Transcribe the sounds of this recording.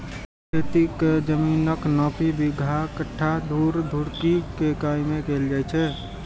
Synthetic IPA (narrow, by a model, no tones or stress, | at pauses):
kʰet̪ikd͡ʒəmiːnəknɔːpʰibiɡʱakəʈʰːad̪ʱuːɾd̪ʱuɾkikekaːjmekeːld͡ʒajt͡ʃʰɛ